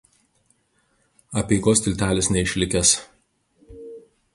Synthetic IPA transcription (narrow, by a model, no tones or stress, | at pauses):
ɐpʲiːɡoːsʲt̪ʲɪlʲt̪ʲæːlʲɪsnʲɛɪʃʲlʲɪkʲɛs